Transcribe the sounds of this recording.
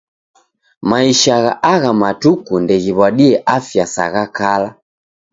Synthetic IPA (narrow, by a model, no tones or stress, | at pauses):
maiʃaɣaʔaɣamatukundɛɣiβwaɗiɛʔafjasa̰ɣakala